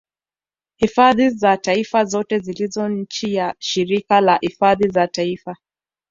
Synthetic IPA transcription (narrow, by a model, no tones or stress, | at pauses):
hifaðizataifazɔtɛzilizɔɲ̩t͡ʃijaʃiɾikalahifaðizataifa